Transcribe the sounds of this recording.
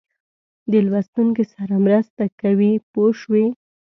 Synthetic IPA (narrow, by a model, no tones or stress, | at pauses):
d̪əlwast̪uŋkesaɾamɾəst̪akawipoʃwi